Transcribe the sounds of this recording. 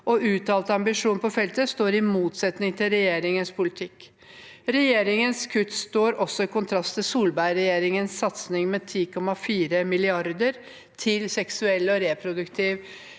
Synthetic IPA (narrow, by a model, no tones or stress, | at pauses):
ʔɔʔʉːt̪ɑːlt̪əɑmbɪʂuːnpʰɔfɛlt̪əst̪oːɾɪmuːt̪sɛt̪nɪŋt̪ʰɪlɾɛjeːɾɪŋənspʰʊlɪt̪ʰɪkː | ɾɛjeːɾɪŋənskʰʉt̪st̪oːɾɔsɔɪkʰʊnt̪ʰɾɑst̪ʰɪlsuːlbæɪɾɛjeːɾɪŋənsːɑt̪snɪŋmeːt̪ʰiːkʰɔmːɑfiːɾəmɪlɪɑɾd̪əɾ | t̪ʰɪlsɛksʉɛlːɔɾepʰɾʊd̪ʉkt̪ʰiːʋ